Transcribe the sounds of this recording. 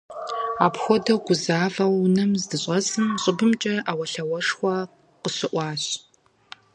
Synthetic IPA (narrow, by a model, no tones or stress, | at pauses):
aːpxʷɔdɐɡʷʊzaːvɐwnɐmzdɨɕʼɐsʼɨmɕʼɪbɨmt͡ʃʼɐʔaːwɐɬɐwɐʂxʷɐ | qəɕɪʔʷɑːɕ